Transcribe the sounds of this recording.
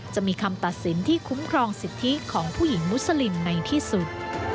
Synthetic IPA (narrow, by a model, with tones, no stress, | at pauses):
t͡ɕa˨˩miː˧kʰa˧mt̪a˨˩t̪̚si˩˦nt̪ʰiː˥˩kʰu˦˥mkʰɾɔː˧ŋsi˨˩t̪ʰːi˦˥kʰɔː˩˦ŋpʰuː˥˩ji˩˦ŋmu˦˥sə˧li˧mna˧jt̪ʰiː˥˩su˨˩t̪̚